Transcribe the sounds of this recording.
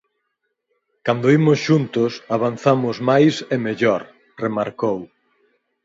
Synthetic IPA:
kand̪oimʊsʃunt̪ʊsaβ̞an̟θamʊzmajsemeʎɔɾ | remaɾkow

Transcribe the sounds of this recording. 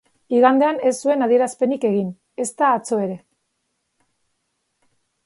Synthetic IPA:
iɣand̪e̞ane̞sːue̞naðie̞ɾaspe̞nike̞ɣ̞in | e̞st̪aːt͡so̞e̞ɾe̞

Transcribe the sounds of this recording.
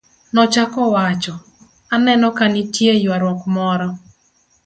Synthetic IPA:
nɔt͡ʃakɔwat͡ʃɔ | anɛnɔkanitjejwaɾwɔkmɔɾɔ

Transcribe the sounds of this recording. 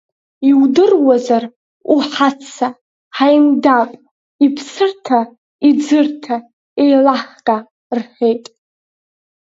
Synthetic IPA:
iwdɨrwazar | uħat͡sʰa | ħajndapʼ | ipʰsɨrtʰa | id͡zɨrtʰa | ejlaχkʼa | rħe̞jtʼ

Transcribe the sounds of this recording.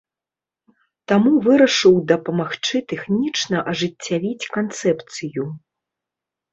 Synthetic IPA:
t̪amuvɨɾɐʂɨwd̪ɐpɐmaxt͡ʂɨt̪ɛxnʲit͡ʂnɐʔɐʐɨt͡sʲːavʲit͡sʲkant̪sɛpt̪sɨju

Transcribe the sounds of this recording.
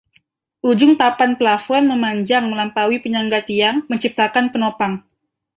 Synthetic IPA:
ʔud͡ʒʊŋpapanplafɔnməmaɲd͡ʒaŋməlampawipəɲaŋɡat̪iaŋməɲt͡ʃip̚t̪akanpənopaŋ

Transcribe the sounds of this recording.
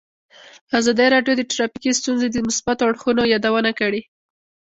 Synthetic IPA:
azɑd̪iɾɑɖjod̪əʈɾɑpikist̪unzed̪əmʊsbat̪oaɽxunojɑd̪awənakəɽi

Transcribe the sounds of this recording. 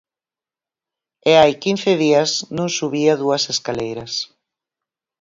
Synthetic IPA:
eajkinθɪðiɐsnũŋsuβiaðuɐseskalejɾɐs

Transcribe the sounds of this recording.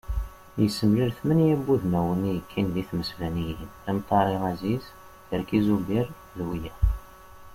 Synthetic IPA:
jəsːəmliɾθmənjæbːuðmæwənijəkʰːinðiθməsvænijinæmt̪ˤːɑɾˤiʁæziz | jəɾkizubiɾ | ðwijæ

